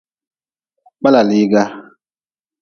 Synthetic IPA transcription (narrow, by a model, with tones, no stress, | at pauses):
k͡pa˦la˨li˦ɡa˦